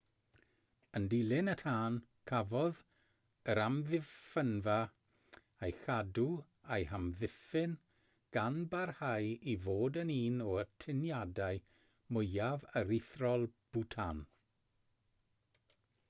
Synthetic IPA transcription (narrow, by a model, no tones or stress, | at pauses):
əndilˠɪnətʰaːn | kʰavɔð | əɾamðɪfənva | ajxadu | ajhamðɪfɪn | ɡ̥anbarhajivoːdəniːnɔətʰɪnjadaɨ | mʊjavəɾɪθrɔlˠb̥utʰan